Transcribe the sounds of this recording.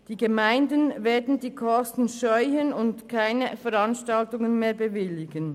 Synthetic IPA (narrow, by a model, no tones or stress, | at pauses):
d̥iːɡəmaɪndənveːɐdn̩diːkʰɔstn̩ʃɔʏçənʊntkʰaɪnəfɛʁɑnʃtɑltʊŋənmeːɐbəvɪlɪɡən